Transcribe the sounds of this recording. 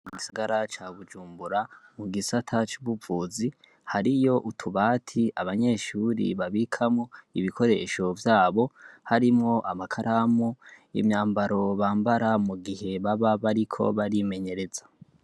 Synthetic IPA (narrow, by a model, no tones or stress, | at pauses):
iɡisaɡaɾat͡ʃaːβud͡ʒuːmbuɾamuɡisatʰat͡ʃuβuvuːzi | haɾijo̞ʔutʰuβaːtʰiaβaɲe̞ːʃuːɾḭβaβikʰamoḭβikʰo̞ɾe̞̰ʃo̞vjaːβo̞haɾimŋo̞ʔamakʰaɾamuḭmɲaːmbaɾo̞βaːmbaɾamuɡihe̞βaβaβaɾikʰo̞̰βaɾime̞ɲe̞ɾe̞zḁ